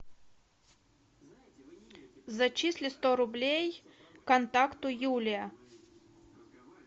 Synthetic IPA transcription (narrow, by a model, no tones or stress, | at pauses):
zɐt͡ɕisʲlʲɪst̪ɔɾʊblʲejkɐnt̪akt̪ʊjulʲɪjɐ